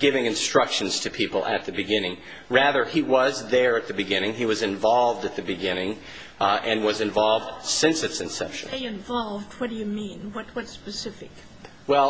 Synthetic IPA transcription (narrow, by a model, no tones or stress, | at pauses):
ɡ̥ɪvɪ̃ŋɨ̃nstɹ̥ʌkʃɨ̃n̩z̥tʰɨpʰipl̩ˠɨ̰t̪̚ðɨbɨɡɪ̃nɪ̃ŋ | ɹæðə˞iwʌzðə˞ɨt̪̚ðɨbɨɡɪ̃ñɪ̃ŋiwʌzɨ̃ɱvɑlˠvdɨt̪̚ðɨbɨɡɪ̃ñɪ̃ŋ | ʔɨ̃nwʌzɨ̃ɱvɑlˠvd̥sɪ̃nsɨtsɨ̃nsɛ̰pʃɨ̃nɪɨ̃ɱvɑlˠvd̚wʌt̚d̥ɨjɨmĩnwʌt̚wʌtspɨsɪfɪk | wɛlˠ